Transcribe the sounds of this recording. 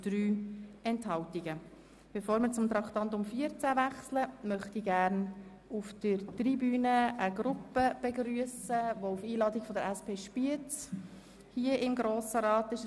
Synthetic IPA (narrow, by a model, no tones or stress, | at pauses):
d̥ryːɛnthɑltiɡə | b̥ɛfoːɾmɪɾt͡sʊmt̪ɾɑkt̪ɑnt̪ʊmfiəɾt͡sævæχsləmœχtiɡæɾn | ufd̥əɾtribyːnəʔəɡɾʊpəb̥ɛɡɾyəsəvoufiːlɑːdiɡ̥fɔdəɾæspʰeːʃpiət | hiəʔɪmɡɾoːsəɾɑːtɪʃ